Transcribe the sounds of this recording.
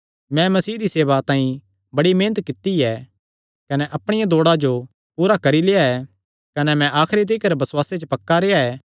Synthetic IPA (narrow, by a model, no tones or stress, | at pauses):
mɛ̃mɐsiːd̪iseːʋat̪ãːĩ | bɐɽimẽːnət̪kɪt̪ːiɛ | kɐnɛʔɐpɽ̃ɪjãd̪oːɽad͡ʒo | puːɾakɐɾilejaɛ | kɐnɛmɛ̃ʔaːkʰɾid̪̬iːkɐɾbɐswaːset͡ʃəpɐkːaɾeːaɛː